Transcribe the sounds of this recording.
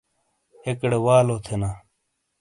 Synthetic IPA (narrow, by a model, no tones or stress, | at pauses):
ekɽewaːloːt̪ʰenaː